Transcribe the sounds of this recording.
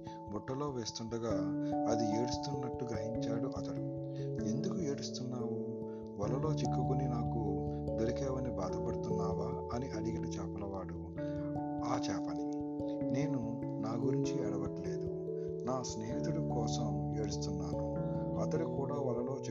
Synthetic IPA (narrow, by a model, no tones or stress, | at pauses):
buʈːɐlo̞ːʋeːst̪uɳɖɐɡaːɐd̪ie̞ːɽust̪unːɐʈːuɡɾɐɦiɲt͡ʃaːɽuʔɐt̪ɐɽu | end̪ukue̞ːɽust̪unːaːwu | ʋɐlːɐlo̞ːt͡ʃekːukuninaːkud̪eɾikɛːʋɐnibaːd̪ɐpɐɽut̪unːaːʋaː | ɐniʔɐɽiɡiʈut͡ʃɛːpːɐlɐʋaːɽu | aːt͡ʃɛːpɐni | ne̞ːnu | naːɡuɾiɲt͡ʃiɛːɽɐʋɐʈleːd̪u | naːsneːɦit̪uɽukɔːsɐm | e̞ːɽust̪unːaːnu | ɐt̪ɐɽukuːɽaːʋɐlːɐlo̞ːt͡ʃ